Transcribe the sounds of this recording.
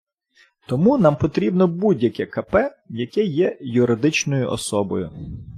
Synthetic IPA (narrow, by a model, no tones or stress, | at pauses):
t̪ɔmunɑmpɔt̪ɾʲibnɔbudʲjɐkɛkɐpɛ | jɐkɛjɛjʊɾɪd̪ɪt͡ʃnɔjʊʔɔ̰sɔbɔ̰jʊ